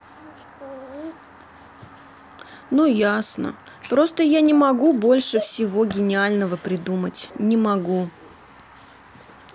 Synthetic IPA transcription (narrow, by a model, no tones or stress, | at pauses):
nujasnə̰ | pɾo̞st̪əjanʲɪmɐɡubo̞lʲʂɨfsʲɪvo̞ɡʲɪnʲɪalʲnəvəpɾʲɪd̪umətʲnʲɪmɐɡu